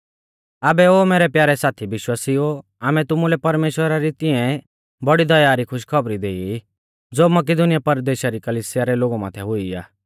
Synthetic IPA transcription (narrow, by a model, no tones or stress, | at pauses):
aːbɛoːmeːɾɛpjaːɾɛsaːt̪ʰiʋɪʃwaːsio | aːmɛ̃t̪ʊmulɛpɐɾmeːʃwəɾaɾit̪ɪɛ̃ | bɐɽid̪ɐjaːɾikʰʊʃkʰɐbɾid̪eːi | d͡zoːmɐk̬ɪd̪ʊnɪjapɐɾd̪eːʃaɾikɐliːsɪjaɾɛloːɡumã̰ːt̪ʰɛɦʊia̰ː